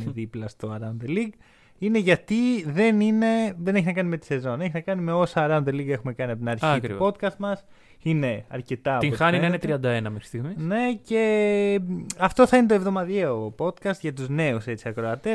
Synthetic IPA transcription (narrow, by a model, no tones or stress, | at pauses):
neðiplɐst̪o̞ɐɾɐnðeliɡ | ine̞ʝɐt̪iðe̞nine̞ðe̞neçinɐkɐnime̞t̪i̥se̞zo̞ne̞çinɐkɐnime̞o̞sɐːɾɐnd̪eliɡe̞xume̞kɐniɐpot̪inɐɾçiɐipo̞t̪kɐst̪mɐs | ine̞ɐ̰ɾce̞t̪ɐɐp̪t̪ioxɐninɐiinet̪ɾiɐnd̪ɐenɐmexɾist̪iɣmine̞ce̞ | ɐft̪o̞θɐine̞t̪oe̞vðo̞mɐðiopo̞t̪kɐst̪ʝɐt̪uzne̞use̞t͡siɐkɾo̞ɐt̪e